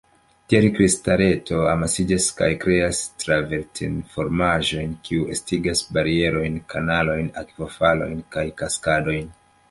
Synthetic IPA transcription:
tieɾikvistaɾe̞to̞amasid͡ʒaska̰jkɾe̞astɾaveɾtʰinfo̞ɾmaʒo̞jnkʰiuestiɡasbaɾie̞ɾo̞jnkanalo̞jna̰kvofalo̞̰jnkajkaskado̞jn

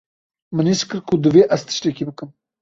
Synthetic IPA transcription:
mɨniskɨɾkʰud̪ɨveːʔɐzt̪ʰɨ̥ʃt̪ɛkiːbɨkɨm

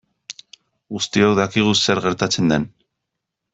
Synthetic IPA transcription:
ɣust̪iowðakiɣ̞useɾɣe̞ɾt̪at͡se̞nd̪e̞n

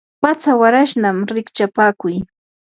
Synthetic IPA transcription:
pat͡sawaɾaʃnamɾɪkt͡ʃapaːkʊj

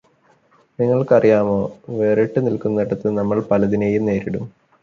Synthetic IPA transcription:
niŋːɐɭkɐrijaːmo̞ːʋe̞ːriʈːɨnilkunːɐɽɐt̪ːɨnɐmːɐɭpɐlɐðineːjumne̞ːɾiɽum

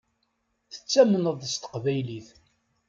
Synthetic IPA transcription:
θə̥t͡sːæmənəðˤðəst̪ə̥qvæjliθ

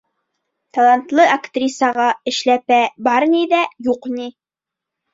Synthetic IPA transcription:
t̪ɑlˠɑnt̪lˠɤʔakt̪rʲisɑʁɑɘ̆ʃlæpæbɑɾniðæjuqnʲi

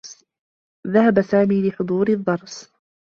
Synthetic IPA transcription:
ðahabasaːmiːlɪħʊd̪ˤuːɾɪd̪ˤːɑɾˤs

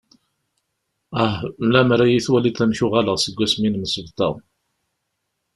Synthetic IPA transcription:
æhlæmɾæjiθwæliθæmçʊʁæləʁsəɡʷːæsminməsəvt̪æ̰

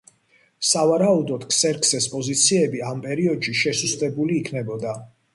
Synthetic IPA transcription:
savaɾaud̪ɔd̪kʰsɛɾkʰʼsɛspʼɔzit̪sʰiɛbiampʼɛɾiɔd̪̥ʃiʃɛsust̪ʼɛbuliːkʰnɛbɔd̪a

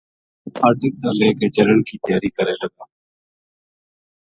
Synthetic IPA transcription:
aːd̪ɪk̚t̪ãːleːkeːd͡ʒələɳkʰiːt̪ɪjaːɾiːkəɾeːləɡãː

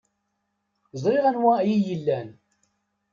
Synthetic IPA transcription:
zˤɾiʁænwæjijəlːæn

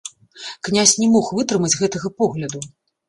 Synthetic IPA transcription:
knʲasʲnʲɛmɔxvɨt̪ɾɨmɐd͡zʲɣɛt̪ɐɣɐpɔɣlʲɐd̪u

